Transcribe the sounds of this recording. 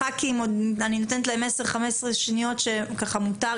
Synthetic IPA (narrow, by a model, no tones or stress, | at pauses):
akiimodanino̞tenet̪̬lae̞meseʁχamesʁeʃnijo̞tʃe̞kaχamuta